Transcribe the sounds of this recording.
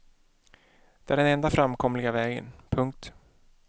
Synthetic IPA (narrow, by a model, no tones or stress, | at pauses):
d̪̥ɛʔæɖɛnɛnd̪afɾamkʰɔmlɪɡavɛːɡə̰npʰɵŋk̚t̪